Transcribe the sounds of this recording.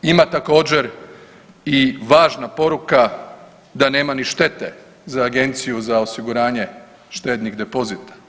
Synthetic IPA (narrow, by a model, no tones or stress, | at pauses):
imat̪ako̞ːd͡ʑe̞ɾ | iʋaːʒnapo̞ɾuka | d̪ane̞ːmaniʃt̪e̞t̪e | zaːɡe̞nt̪sijuzao̞siɡuɾaːɲe̞ | ʃt̪e̞ːd̪niɡd̪e̞po̞zit̪ḁ